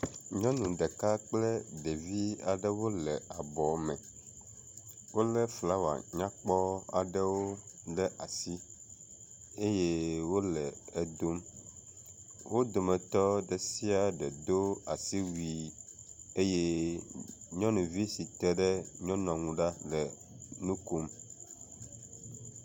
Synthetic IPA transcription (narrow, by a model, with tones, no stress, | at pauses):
ɲɔ̃˦nũ˨ɖɛ˨ka˦k͡plɛ˦ɖe˨vi˦a̰˨ɖɛ˦wo˦lɛ˨a˨bɔ˨mɛ˨ | wo˦lɛ˦fla˦wa̰˨ɲã˦k͡pɔ˦a̰˨ɖɛ˦wo˦ɖɛ˦ʔa˨si˦ | e˦je˦wo˦lɛ˨e˨d̪o˦m | wʔo˦d̪o˨mɛ̃˨t̪ɔ˦ɖɛ˨si˦a˨ɖɛ˨d̪o˦a̰˨si˦wi˨ | e˦je˦ | ɲɔ̃˦nũ˨vi˦si˨t̪ɛ˦ɖɛ˦ɲɔ̃˦nɔ̃˨ŋũ˨ɖa˦lɛ˨ | nũ˦ku˦m